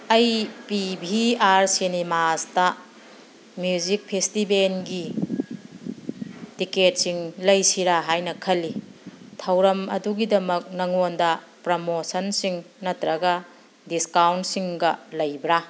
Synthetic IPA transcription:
ɐjpibʱiaɾsinimastɐ | mjud͡ʒik̚pʰestibenɡi | tiket̚siŋlɐjsiɾaɦajnɐkʰɐlːitʰɐwɾɐmɐ̰duɡidɐmɐk̚nɐŋondɐ | pɾomosɐnsiŋnɐtɾɐɡɐ | diskawntsiŋɡɐlɐjbɾa

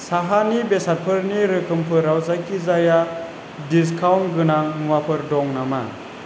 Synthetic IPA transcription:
saɦanibesat̚pʰɯɾniɾɯkʰɯmpʰɯɾawzakizaja | dis̬kʰawnɡɯnamuwapʰɯɾdɔŋnama̰

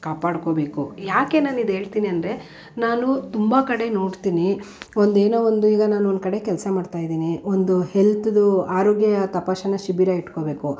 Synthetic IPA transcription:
kaːpaːɽkobe̞ːkujaːke̞naːnid̪e̞ːɭt̪iːniɐnd̪ɾe̞ | naːnut̪umbɐkɐɽe̞noːɽt̪iːniond̪eːnoːond̪uiːɡɐnaːnuond̪̚kɐɽe̞kɛlsɐmaːɖt̪aːjid̪iːniond̪uhelt̪ud̪uaːɾoːɡjɐɐt̪ɐpaːʃɐnːɐʃibiɾɐiʈkobeːku

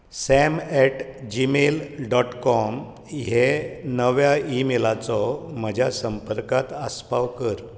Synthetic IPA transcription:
sɛmɛʈd͡ʑimelɖɔʈkɔm | ɦjenəʋjaimelat͡sɔm̤əd͡ʑʱjasəmpəɾkat̪əspaʋkəɾ

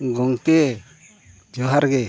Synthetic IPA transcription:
ɡɔŋkɛ | d͡ʒɔɦaɾɡɛ

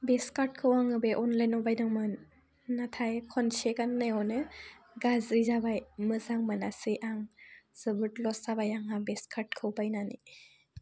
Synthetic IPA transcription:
beskaɾt̚kʰɯwaŋɯbeʔɔnlajnɔbajnɯŋmɯnː | atʰajkʰɔnsekanːajɔnɯɡazɾizabajmɯzaŋmɯnasiʔaŋz̥ɯbɯtlɔsabajaŋabeskʰaɾt̚kʰɯwbajnani

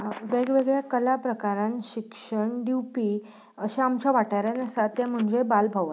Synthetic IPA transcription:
ʋeɡʋeɡɭjakəlapɾəkaɾanɕikʂəɳɖiwpi | əɕeamt͡ɕaʋaʈaɾanesat̪jam̤əɳd͡zebalbʱəʋət̪

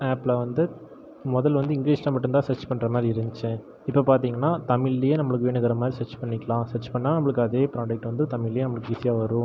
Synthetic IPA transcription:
aːpːlɐʋɐnd̪ɯ | mɔðɐlʋɐnd̪ɯɪŋɡliːsnɐ̃pɐʈːɯnt̪aːsɛt͡ʃpɐɳːɾɐmaːd̪ɾiɪɾɐnd͡ʒɯt͡ʃːɯ̃ | ɪpːopaːɾt̪̬iːŋɡɐnːaːt̪ɐmɪlːɪjeːnɐmːɐɭɯkːɯʋeːnɯɣɯɾɐmaːd̪ɾisɐʈt͡ʃːpɐɳːɪkːɐlãːsɛt͡ʃːpɐɳːaːnɐmɐɭɯkːɯɐðeːpɾaːɖɐk̚ʈːʋɐnd̪ɯt̪ɐmɪɭɪjeːnɐmːɐɭɯkːɯɪsɪjaːʋɐɾʊ̃

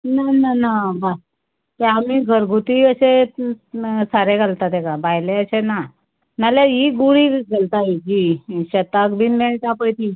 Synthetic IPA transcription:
nananabas | t̪eamiːɡʱəɾɡʱut̪iəse | saɾeɡalt̪at̪ekabajleəɕena | maljajiɡuɽiɡʱəlt̪aid͡ʑiɕət̪akb̪iːnmeɭt̪apəjt̪i

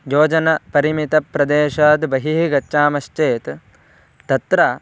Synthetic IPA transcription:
joːd͡ʒɐnɐpɐɾimit̪ɐpɾɐd̪eːʃaːd̪bɐɦiɦɡɐtːʃaːmɐʃt͡ʃeːt̪ | t̪ɐt̪ɾɐ

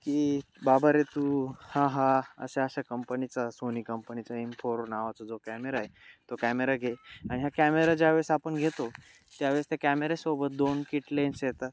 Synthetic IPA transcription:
kiː | babaɾet̪uhãɦaə̰seəɕakəmpənit͡sasoniːkəmpənit͡saimpʰoɾnaʋat͡səd͡zokæmeɾaɦet̪okæmeɾaɡʱeaɽ̃iɦakæmeɾad͡ʑaʋeɭsapəɳɡʱet̪o | t̪jaʋeɭst̪ekæmeɾesobət̪̚d̪onkiʈlensjɛt̪a

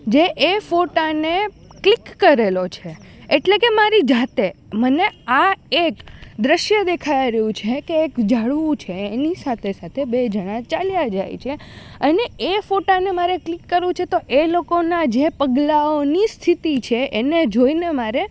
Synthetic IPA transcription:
d͡ʒeʔefoʈane | klikːəɾelot͡ʃʰeeʈlekemaɾid͡ʒat̪eməneaekd̪ɾəʃjəd̪ekʰajɾəjũt͡ʃʰekeːkd͡ʒaɭʋũt͡ʃʰeːnisat̪ʰesat̪ʰebed͡ʒəɽ̃at͡ʃaljad͡ʒa̰jt͡ʃʰeəneefoʈanemaɾeklikːəɾʋũt͡ʃʰet̪oʔelokonad͡ʒepəɡlaonist̪ʰit̪it͡ʃʰeened͡ʒoinemaɾe

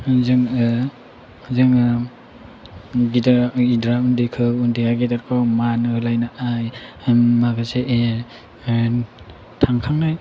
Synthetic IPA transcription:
zɯŋ | zɯŋ | ɡidaidɾaundikʰɯundiaɡidaɾkʰɔwmanɯlajnaʔajmaɡaseʔe | tʰaŋkʰaŋnaj

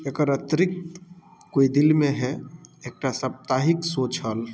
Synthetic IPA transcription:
ekəɾət̪ɾɪk̚t̪ | koid̪ɪlmẽɦɛeːk̚ʈasəp̚t̪aɦɪksoːt͡ʃʰəl

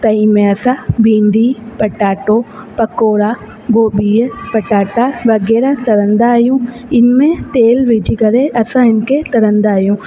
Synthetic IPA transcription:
t̪ɐ̃ĩmẽɐsãbʱĩːɳɖipɐʈaːʈo | pɐkoːɾa | ɡoːɓiːpɐʈaːʈaʋɐɣɛːɾat̪ɐɾə̃nd̪aːɦijũ | ɪnmẽt̪eːlʋɪd͡ʑʱikɐɾeʔɐsãɪnkʰet̪ɐɾə̃nd̪aːɦijũ

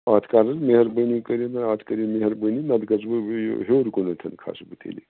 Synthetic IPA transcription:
aːt̪ʰkaːɾɐzmeɦɐɾbənikɐɾinɐaːt̪ʰkɐɾimeɦɐɾbəninɐd̪ɡɐzbɨ̰ɦeɾkonɐt̪ʰɐnkʰa̰sbɨt̪ḛːlḭ

